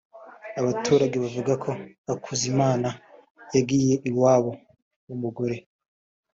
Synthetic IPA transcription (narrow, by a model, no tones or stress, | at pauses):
aβatʰuːɾaɡe̞βavuɡakʰo̞ | akʰuzimaːna | jaɡiːje̞ʔiwaːβo̞ | wumuɡoɾe̞